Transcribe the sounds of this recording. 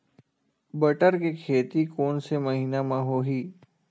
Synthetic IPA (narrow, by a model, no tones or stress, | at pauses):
bɐʈəɾkekʰeːt̪ikoːnsemɐɦiːnamãɦoːɦiː